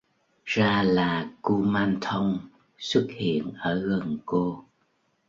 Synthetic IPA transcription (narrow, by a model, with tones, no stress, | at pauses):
zaː˧laː˨˩ku˧maː˧nt̪ʰə˧wŋ͡m | swə˦˥t̚hḭ˧˨ənʔəː˧˩ɣə˨˩nko˧